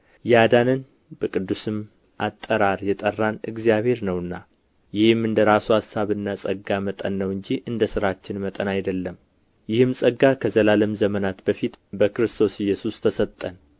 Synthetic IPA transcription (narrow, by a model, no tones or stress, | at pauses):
jɛad̪anɨn | bəkʼɨd̪ːusɨm | ʔat̪ʼːəɾaɾjɛt̪ʼərːanɨ̰ɡzijaβhe̞ɾnəwɨnːa | jɪhɪmɨnd̪əɾasuhasːaβɨnːasʼəɡamət̪ʼə̰nːəwɨɲd͡ʒiʔɨnd̪əsɨɾat͡ʃːɪnmət̪ʼənajd̪əlːəm | jɪhɨmsʼəɡːakʰəzəlaləmzəmənat̪bəfit̪bəkɨɾɨst̪ʰo̞sɪjːɛsust̪ʰəsət̪ʼːən